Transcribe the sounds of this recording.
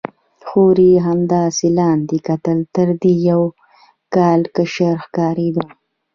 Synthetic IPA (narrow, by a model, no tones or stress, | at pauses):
xoɾiɦamd̪ɑːsilɑːnd̪ikat̪əlt̪əɾd̪ijaw | kɑːlkəʃəɾxkɑːɾed̪o